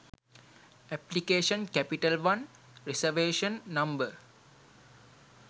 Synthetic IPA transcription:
ɛplikeːʃə̃nkɛpiʈəlʋãn | ɾesəʋeːʃə̃nːɐ̃mbə

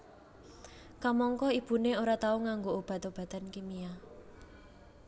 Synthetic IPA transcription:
kamɔŋkɔib̥ṳneoɾat̪auŋaŋɡoob̥a̤t̪ob̥ä̤t̪ankimia

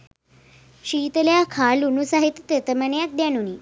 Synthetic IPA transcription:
ɕiːt̪əljakʰalunusaɦit̪t̪et̪əmənjat̪̚d̪januni

